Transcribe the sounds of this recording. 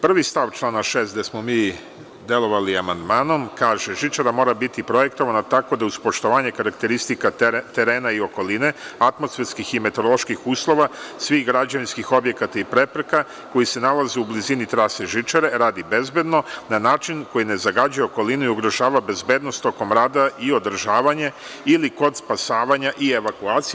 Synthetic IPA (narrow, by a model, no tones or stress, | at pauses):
pr̩ʋist̪aʋt͡ʃlˠaːnaʃe̞ːst̪d̪esmo̞miː | d̪e̞lˠo̞ʋaliamand̪maːno̞mkaːʒeʒit͡ʃaɾamo̞ːɾabit̪ipɾo̞je̞kt̪o̞ʋanat̪ako̞d̪auspo̞ʃt̪o̞ʋaːɲe̞kaɾak̚t̪e̞ɾist̪ikat̪e̞ɾe̞ːnaio̞ko̞line̞at̪mosfeɾskixime̞t̪o̞ɾolˠo̞ʃkixuːslˠo̞ʋasʋixɡɾad͡ʑaʋinskixo̞bje̞kat̪aipɾe̞pɾe̞ka | ko̞jise̞nalazeublizinit̪ɾaseʒit͡ʃaɾe̞ɾaːd̪ibe̞zbe̞d̪no̞nanaːt͡ʃinko̞jine̞zaɡad͡ʑujeoko̞linuiuɡɾo̞ʒaːʋabe̞zbe̞ːd̪no̞st̪o̞ko̞mɾaːd̪aio̞d̪ɾ̩ʒaːʋaɲa | iliko̞d̪spasaːʋaɲaʔie̞ʋakuaːt̪si